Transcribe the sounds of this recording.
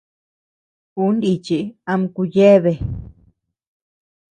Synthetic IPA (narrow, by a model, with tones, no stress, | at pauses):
u˦ndi˧t͡ʃi˧˦a˧m˧ku˧je˦βe˧˨